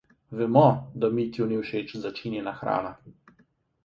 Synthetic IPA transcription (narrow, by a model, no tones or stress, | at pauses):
ʋɛmɔd̪amit̪jɔniwʃet͡ʃzat͡ʃinjɛnaxɾa̰ːna